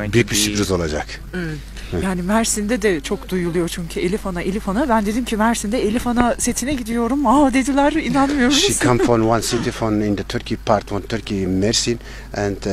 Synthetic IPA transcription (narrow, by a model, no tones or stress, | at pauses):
biɾbiʃibɾizolˠad͡ʒak | evɛt̪jaːnimæɾsind̪ɛd̪ɛt͡ʃʰo̞kd̪ujulˠujo̞t͡ʃʰyɲcʰyelʲifanaʔelʲifanabænd̪e̞d̪imcʰimæɾsind̪ɛelʲifanase̞t̪ʰinɛɟid̪ijo̞ɾumad̪e̞d̪ilʲæɾinanmɯjoɾʃikʰãmfɾɔ̃nwãnsit̪ifɾɔ̃nĩnd̪ət̪ʰyɾkʰipʰaɾt̪wɔ̃nt̪ʰyɾkimɛɾsin | ɛ̃nd